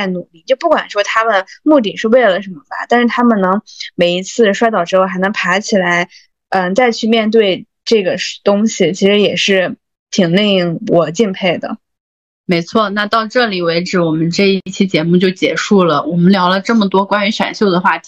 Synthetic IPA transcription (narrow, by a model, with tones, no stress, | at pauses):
nu˨˩li˥˩t͡ɕjo˥˧ʊpu˥˩kwa˨˩nʂwɔ˥t̪ʰa˥mə˨nmu˥˩t̪i˨˩ʂɻ̩˥˧we˥˩ɪlə˩ʂə˧˥mə˧ba̰˨t̪a˥˧nʂɻ̩˥˩t̪ʰa˥mə˨nnɤ˧˥ŋme˨˩ɪi˧˥t͡sʰɹ̩˥˩ʂwa˥ɪt̪ɑ˨˩ʊʈ͡ʂɻ̩˥xo˥˩xa˥nɤ˧˥ŋpʰa˧˥t͡ɕʰi˨˩la˧˥ɪ | ə˥˧t͡sa˥˧ɪt͡ɕʰy˥˧mjɛ˥˧nt̪we˥˧ɪ | ʈ͡ʂɤ˥˩ɡə˩t̪ʊ˥ŋɕi˨˩t͡ɕʰi˧˥ʂɻ̩˧˥jɛ˨˩ʂɻ̩˥˩ | t̪ʰi˨˩ŋli˥˧ŋi˥˩ŋwɔ˨˩t͡ɕi˥˧npʰe˥˩ɪd̪ə̰˩ | me˧˥ɪt͡sʰwɔ˥˩na˥˧t̪ɑ˥˧ʊʈ͡ʂɤ˥˩li˨˩we˧˥ɪʈ͡ʂɻ̩˧˩˥wɔ˨˩mə˦nʈ͡ʂɤ˥˧i˥˩t͡ɕʰi˥t͡ɕjɛ˧˥mu˥˧t͡ɕjo˥˩ʊt͡ɕjɛ˨˩ʂu˥˩lə˩wɔ˨˩mə˦nljɑ˧˥ʊlə˧ʈ͡ʂɤ˥˩mə˩t̪wɔ˥kwa˥ny˧˥ɕɥɛ̰˨˩nɕjo˥˩ʊd̪ə˩xwa˥˩